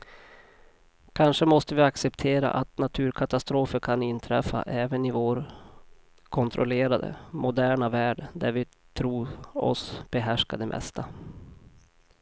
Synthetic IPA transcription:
kʰanʂəmɔst̪əvɪaksɛpt̪ʰeːɾa̰ʔat̪nat̪ʰʉːɾkʰat̪ast̪ɾoːfəɾkʰanɪnt̪ʰɾɛfːa̰ʔɛːvənɪvoːɾ | kʰɔnt̪ʰɾɔleːɾad̪ə̰mʊd̪æːɳavæːɖd̪æɾvɪ | t̪ʰɾuːɔ̰sb̥ɛɦæʂkad̪ɛmʔɛ̰st̪ʰa

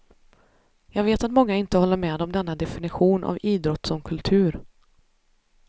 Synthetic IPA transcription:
jɑːɡveːt̪at̪mɔŋːaɪnt̪əhɔlːəɾmɛːd̪ɔmd̪ɛnːad̪ɛfɪnɪɧuːnʔa̰viːd̪ɾɔt̪ːsɔmkʰɵlt̪ʰʉ̟ːɾ

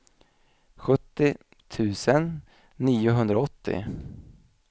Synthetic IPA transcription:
ɧɵt̪ːɪ | t̪ʰʉ̟ːsənː | iːʊɦɵnd̪ɾaɔt̪ʰːɪ̰

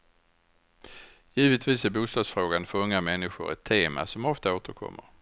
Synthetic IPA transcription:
jiːvət̪viːsæɾbuːst̪ɑːɡsfɾoːɡanfœɾɵŋːamɛnːɪɧʊ̰ɾɛ̰t̪ʰːeːma̰sɔmɔft̪aoːt̪əɾkʰɔ̰mːə̰ɾ

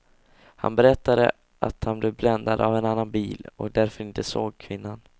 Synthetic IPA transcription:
ha̰nbɛɾɛt̪ːad̪ə̰ | ʔa̰t̪hanblɛvblɛnd̪ad̪avɛnanːanbiːlɔ̰kd̪æɾfœɾɪnt̪əsoːɡkʰvɪnːan

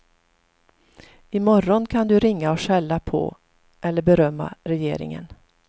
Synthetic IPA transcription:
ɪmɔɾɔnkʰand̪ɵɾɪŋːaɔʂɛlːapʰɔ̰ | ʔɛlːəɾbɛɾœmːa̰ɾɛjeːɾɪ̰ŋə̰n

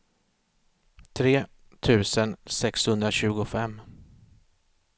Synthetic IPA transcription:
t̪ʰɾeː | t̪ʰʉ̟ːsənsɛkshɵnd̪ɾaɕʉ̟ːɡʊfɛmː

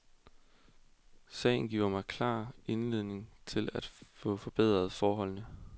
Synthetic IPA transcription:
sɛ̰ɪn̩ɡ̥ḭːʊ̰ɐmɑ̈ɪkʰlɑ̰̈ːe̝nleð̞̰ˠne̝ŋt͡sʰe̝læd̥fɔ̽fɒ̽b̥eð̞̰ˠʁɐð̞̩ˠfɒːɦɒ̽l̰nə

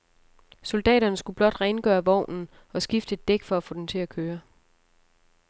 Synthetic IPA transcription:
so̝ld̥ɛ̰ːɾ̥ɐnəsɡ̥ub̥lɒ̽d̥ʁɛɪnəɡ̥œːɐʋɒʊ̰nn̩ | ɒ̽sɡ̥ifd̥əed̥eɡ̥fɒ̽æfo̰̽ːd̥ent͡sʰe̝ækʰøːɐ

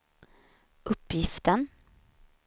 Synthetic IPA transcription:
ʔɵpːjɪft̪ən

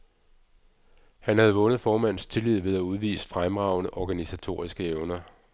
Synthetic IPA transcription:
hænhæð̞̩ˠʋɔ̽nð̞̩ˠfɒːmæn̰st͡sʰe̝lið̰ˠʋe̝ð̞ˠæuð̞ˠʋḭːsd̥fʁamʁɑ̈ʊnəʔɒɡ̥ænisæt͡sʰo̝̰ːɐisɡ̥əeʊnɐ

